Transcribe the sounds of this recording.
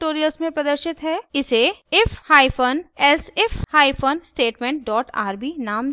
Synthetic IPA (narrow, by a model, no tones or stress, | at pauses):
ʈoːɾijəlsmẽpɾɐd̪əɾʃɪt̪ɦɛːɪseɪfhaːifʰonɛlsɪfhaːifʰoːnsʈeːʈmẽɳʈ̚ɖɔːʈa̰ːɾbinaːm